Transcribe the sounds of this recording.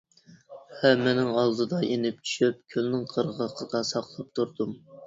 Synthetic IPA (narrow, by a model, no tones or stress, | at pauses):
hɛmːɪnɪŋɑlˠd̪ɨd̪ɑʔenɪp̚t͡ʃʰy̥ʃyp̚kʲʰølnɪŋqʰəɾʁəqʰːəd̪ɑsɑqlˠɨp̚t̪ʰuɾd̪um